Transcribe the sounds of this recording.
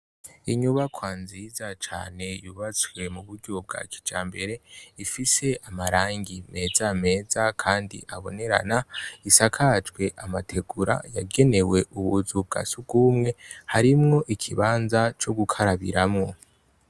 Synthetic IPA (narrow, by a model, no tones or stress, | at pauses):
iɲuβakwaːnzizat͡ʃa̰ːne̞juβat͡swe̞muβuɾɟob̚ɡa̰kʰi̥d͡ʒaːmbe̞ɾe̞ifise̞amaɾaːŋɡime̞ːzame̞ːzakʰaːndḭʔaβo̞ne̞ɾa̰naisakʰat͡ʃɡwe̞ʔamatʰe̞ɡuɾa̰jaɡe̞ne̞we̞ʔuβuzub̚ɡa̰suɡuːmŋe̞haɾimŋo̞ʔikʰiβaːnzat͡ʃo̞ɡukʰaɾaβḭɾamŋo̞